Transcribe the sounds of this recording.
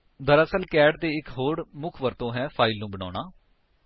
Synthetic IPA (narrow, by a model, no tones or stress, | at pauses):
d̪əɾəsəlkɛːɖt̪eːɪkɦoːɽmʊkʰʋəɾt̪õːɦɛ̃ːpʰaːɪlnũːbəɳ̃a̰ːnaː